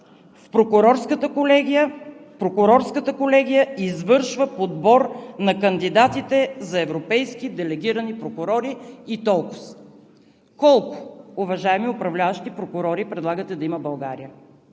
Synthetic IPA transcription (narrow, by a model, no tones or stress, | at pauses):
fpɾokʊɾɔɾskət̪lɛɡpɾokʊɾɔɾskət̪əkolɛɡ̟ijəizvɤɾʃvəpod̪bɔɾnɐkɐnd̪id̪at̪it̪ɛzɐɛvɾopɛjskid̪ɛlɛɡ̟iɾənipɾokʊɾɔɾiit̪ɔlˠkʊ̥s | kɔlˠkʊ̥ːvɐʒaɛmiʊpɾɐvlʲavəʃt̪ipɾokʊɾɔɾipɾɛd̪lˠaɡət̪ɛd̪ɐiməbɐlˠɡaɾijə